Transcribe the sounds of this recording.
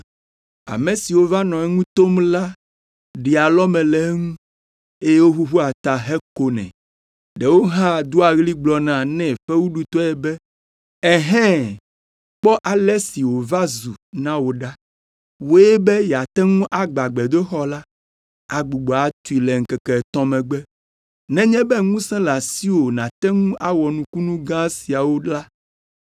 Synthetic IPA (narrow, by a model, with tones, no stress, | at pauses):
a̰˨mẽ˨si˨wo˦va˦nɔ̃˨ɛ˦ŋũ˦t̪o˦mla˦ | ɖi˨a˨lɔ˦mɛ̃˨lɛ˨˦ŋũ˦ | e˦je˦wo˦ɦu˦ɦu˦a˨t̪a˨ɦɛ˦ko˦nɛ̰̃˨ | ɖɛ˨wo˦ɦã˦d̪u˦a˨ɣli˦ɡ͡blɔ˨nã˨nɛ̃˦˨ɸɛ˦wu˦ɖu˨t̪ɔ˦ɛ˦bɛ˦ | ɛ˨ɦɛ̃˦ | k͡pɔ˦ʔa˨lɛ˦si˨wo˨va˦zu˨nã˦wo˨ɖa˦ | wo˦ɛ˦bɛ˦jɛ˨a˨t̪ɛ˦ŋũ˦ʔa˨ɡ͡ba˨ɡ͡bɛ˨d̪o˦xɔ˦la˦ | a˨ɡ͡bu˨ɡ͡bɔ˨a˨t̪u˨i˨lɛ˨ŋ̩˨kɛ˨kɛ˨t̪ɔ̃˦mɛ̃˨ɡ͡bɛ˦ | nɛ̃˦ɲɛ̃˦bɛ˦ŋũ˦sɛ̃˦la˨si˦wo˨nã˨t̪ɛ˦ŋũ˦ʔa˦wɔ˨nũ˦ku˦nũ˦ɡã˦si˨a˨wo˦ɖla˦